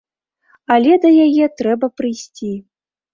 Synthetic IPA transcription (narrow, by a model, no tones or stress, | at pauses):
alʲɛd̪ɐjajɛt̪ɾɛbɐpɾɨjsʲt͡sʲi